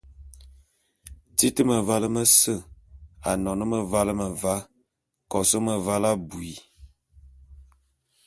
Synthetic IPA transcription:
ti˦tə˦mə˨va˦lə˦mə˦sə˦˨a˨nɔ˨nə˦mə˨va˦lə˦mə˨va˦ | kɔ˨sə˦mə˨va˦la˦bu˨i˨

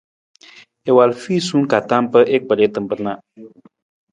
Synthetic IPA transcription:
e˨wa˨lfiː˦˨su˦ŋka˨t̪a˦mpə˦ʔe˦k̚bə˨ɾe˦t̪ə˨mpə˨na˨

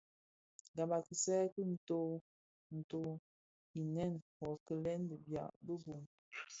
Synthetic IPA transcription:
ɡa˨ma˨ki˨sɛ˦kə˦n̩˨to˦ | n̩˨to˦ | i˨nɛ˦˨npɔ˨kə˦˨lɛ˦n˦də˨bja̰˨bə˦bo˨ŋ

